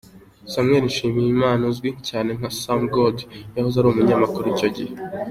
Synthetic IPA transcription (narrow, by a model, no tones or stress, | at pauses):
samŋeɾinʃiːmijimaːnozɡwicaːne̞ŋ̥hasamɡodjahozaɾuβumuɲamakuɾuiːco̞ɟḭhe